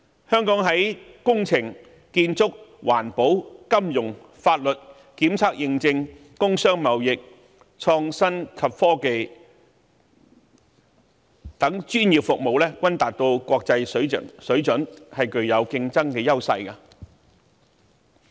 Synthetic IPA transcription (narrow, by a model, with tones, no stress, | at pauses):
hœː˥ŋkɔː˨˥ŋɦɐ˨˥jkʊ˥ŋt͡sʰɪ˨˩ŋ | kiː˧nt͡sʊ˥k̚waː˨˩npo˨˥wkɐ˥mjʊ˨˩ŋ | faː˧t̚lɵ˨t̚ | kiː˨˥mt͡sʰaː˥k̚jɪ˧ŋt͡sɪ˧ŋ | kʊ˥ŋsœː˥ŋmɐ˨˩wjɪ˨k̚ | t͡sʰɔː˧ŋsɐ˥nkʰɐ˨p̚fɔː˥ke˨˧j | t̪ɐ˨˥ŋt͡ʃyː˥njiː˨p̚fʊ˨k̚mo˨wlɛː˥kʷwɐ˥nt̪aː˨t̚t̪o˧wkʷɔː˧k̚t͡sɐ˧jssɵ˨˥ɥt͡ʃɵ˨˥nhɐ˨jkɵ˨ɥjɐ˨˧wkɪ˧ŋt͡sɐ˥ŋkɛː˧jɐ˥wsɐ̰˧jkɐ˧